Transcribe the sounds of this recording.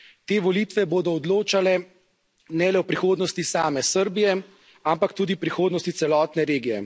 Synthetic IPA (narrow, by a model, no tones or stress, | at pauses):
t̪eːʋɔliːt̪ʋɛboːd̪ɔːd̪loːt͡ʃalɛ | nɛlɛwpɾixoːd̪nɔst̪isaːmɛsəɾbijɛ | ampakt̪uːd̪ipɾixoːd̪nɔst̪it̪sɛlɔːt̪nɛɾeːɡijɛ̰